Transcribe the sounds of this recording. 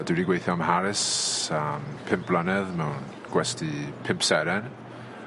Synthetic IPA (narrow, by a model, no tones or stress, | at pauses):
dɪwɾiɡwejθjɔmhaɾɪsampʰɪmp̚b̥lˠənɛðmɛwn | ɡ̥wɛstipʰɪmpsɛɾɛn